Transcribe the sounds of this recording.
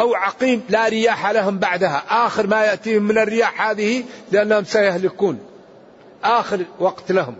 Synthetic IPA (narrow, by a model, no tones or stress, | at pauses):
ʔawʕɑqiːmlaɾɪjaːħalaɦʊmbaʕd̪ahaʔaːxɪɾmajaʔt̪iːhʊmːɪnɪrːɪjaːħhaːðɪhilɪʔanːahʊmsajahlɪkuːn | ʔaːxɪɾwɑɡt̪lahʊm